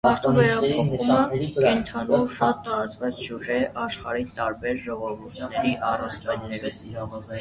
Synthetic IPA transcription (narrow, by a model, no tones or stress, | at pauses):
ɑɾt̪ɔnɛɾɛɾɛmɛɾiənt̪ʰɑnuɾʃɑt̪ːɑɾɑt͡svɑt͡st͡ʃʰuʒɛʔɑʃχɑ̰ɾit̪ɑɾbɛɾʒɔʁɔvuɾt̪ʰnɛɾiʔɑrɑnt͡st̪ɛt̪nɛɾ